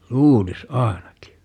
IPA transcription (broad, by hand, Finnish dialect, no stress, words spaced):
luːlis ɑenɑki